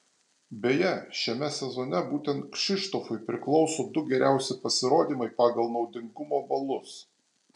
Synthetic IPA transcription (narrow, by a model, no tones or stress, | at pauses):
bʲeːjɛʃʲɛmʲɛsʲɛzɔːnʲɛbuːt̪ʲɛnt̪̚kʃʲɪʃt̪oːfʊɪpʲɾʲɪklˠɒʊsoːd̪ʊɡʲɛɾʲʔæˑʊsʲɪpɐsʲɪɾoːd̪ʲiːmɐɪpɑːɡɐlˠnɒʊd̪ʲɪŋɡʊmoːbɐlˠʊs